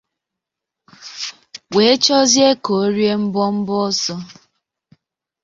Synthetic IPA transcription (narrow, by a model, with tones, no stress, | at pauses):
we˨e˦t͡ʃɔ˦zje˦ko˨˦ɾje˦m̩˦bɔ˦m̩˦bɔ˦ɔ˦sɔ˦